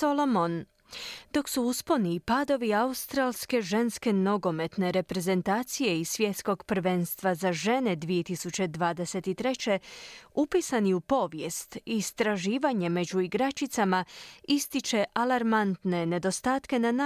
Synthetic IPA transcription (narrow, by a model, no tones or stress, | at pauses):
olomon | d̪o̞ksuusponipaːd̪o̞ʋiaust̪ɾaːlske̞ʒe̞nske̞no̞ɡo̞me̞t̪ne̞ɾe̞pɾe̞ze̞nt̪aːt̪sije̞isʋje̞t̪sko̞ɡpɾ̩ʋe̞nst̪ʋazaʒe̞ne̞d̪ʋije̞t̪isut͡ɕe̞d̪ʋaːd̪e̞se̞t̪it̪ɾe̞t͡ɕe̞upiːsaniupo̞ʋjest̪iːst̪ɾaʒiːʋaɲe̞me̞d͡ʑuiɡɾat͡ʃit̪samaist̪it͡ʃe̞ʔalaɾmant̪ne̞ne̞d̪o̞st̪aːt̪ke̞nana